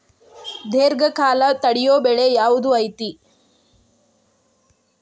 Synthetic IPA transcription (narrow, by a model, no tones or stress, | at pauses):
d̪ʱeːɾɡɐkaːlɐt̪ɐɽijoːbɛɭejaːʋud̪uɐjt̪i